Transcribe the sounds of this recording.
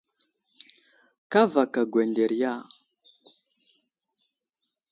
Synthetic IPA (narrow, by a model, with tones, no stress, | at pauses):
ka˦va˨ka˨ɡwɛ˨ndɛ˨ɾja˦˨